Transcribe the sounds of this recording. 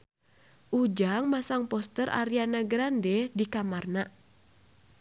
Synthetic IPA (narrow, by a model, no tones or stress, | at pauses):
ʔud͡ʒaŋmasaŋpɔst̪əɾʔa̰ɾianaɡɾandɛdikamarna